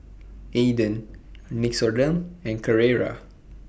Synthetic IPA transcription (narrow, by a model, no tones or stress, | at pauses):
edə̃nniksɔɹdə̃mɛ̃nkəɹeɹa̰